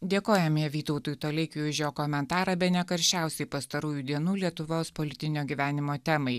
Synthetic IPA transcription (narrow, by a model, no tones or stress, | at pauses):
d̪ʲeːkoːjɛmʲiːʋʲiːt̪ɐʊt̪uːjt̪oːlʲɛɪkʲuːʃʲjoːkɔmʲɛnt̪ɑːɾɐbʲɛnʲɛkɐɾʲʃʲt͡ʃʲæˑʊsʲɛɪpɐst̪ɐɾuːjuːd̪ʲiɛnuːlʲiɛt̪ʊʋoːspɔlʲɪt̪ʲɪnʲoːɡʲiʋʲæːnʲɪmoːt̪ʲɛmɐɪ